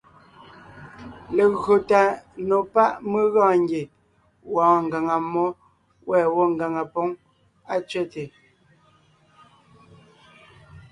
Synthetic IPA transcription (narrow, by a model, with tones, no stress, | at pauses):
le˨ɣɰo˨ta˨no˨pa˦ʔme˦ɣãː˦˨ŋ˦ɡe˨ | wɔ̃ː˨˦ŋ˨ɡa˨ŋa˨mɔ˦ | wɛː˦˨wɔ˦ŋ˨ɡa˨ŋa˨po˨˦ŋ | a˦t͡ʃɥɛ˦˨te˨